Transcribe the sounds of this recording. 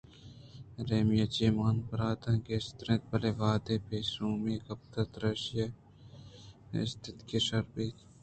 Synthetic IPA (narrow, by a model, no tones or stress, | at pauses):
ɾeːmjɐt͡ʃeːmaːnpɐɾaːd̪ãːkest̪ɾɐt̪̚bɐleʋaːd̪eːpeːsɾuːmekɐp̚t̪ɐt̪ɾɐʃje | ɪ̰st̪ɪt̪kiʃɐɾbiːt̪